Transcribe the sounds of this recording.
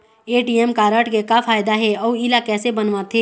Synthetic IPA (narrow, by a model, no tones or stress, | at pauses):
eːʈiːɛmkaːɾəʈkekafʰaːjd̪aɦɛɔːɪlakɛːsebənʋaːt̪ʰɦeː